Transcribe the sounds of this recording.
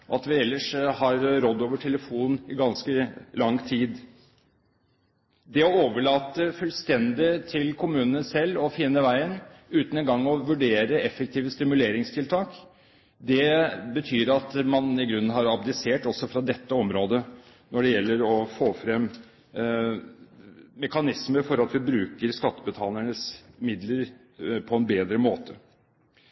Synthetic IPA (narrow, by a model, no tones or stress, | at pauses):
ɔɑt̪ʋɪɛlːəʂhɑɾɾɔd̪ːoːʋəʈʰɛləfuːnɪɡɑnskəlɑŋt̪ʰiːd̪ | d̪ɛɔoːʋəɭɑːt̪əfʉlst̪ɛnd̪ɪt̪ʰɪlkʰʊmʉːnənəsɛlːɔfɪnːəʋæɪənʉːt̪nɛnɡɑŋːɔʋʉɖeːɾəɛfək̚t̪ʰiːʋəst̪ɪmʉleːɾɪŋst̪ʰɪlt̪ʰɑːk | d̪ɛbət̪ʰyːɾɑt̪mɑnɪɡɾʉnːn̩ɦɑɾɑbd̪ɪseːʈɔsɔfɾɑd̪ɛt̪ːəɔmɾoːd̪ə | nɔɖɛjɛlːəɾɔfoːfɾɛm | mɛkɑnɪsməfɔɾɑt̪ʋɪbɾʉːkəɾskɑt̪ːəbət̪ʰɑːlæɳəsmɪd̪ləɾ | pʰɔɛnbeːd̪ɾəmoːt̪ʰə